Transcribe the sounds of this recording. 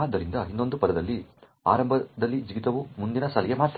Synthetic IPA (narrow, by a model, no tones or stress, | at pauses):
d̪ːɐɾind̪ɐinːo̞nd̪upɐɾɐd̪ɐlːi | a̰ːɾɐmbʱɐd̪ɐlːid͡ʒiɡit̪ɐʋumund̪inɐsɐlɛjemaːɾt̪